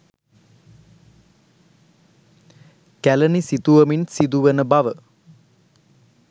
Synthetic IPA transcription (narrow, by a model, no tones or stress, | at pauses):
kælənisit̪uʋɐminsid̪uʋənəbɐʋə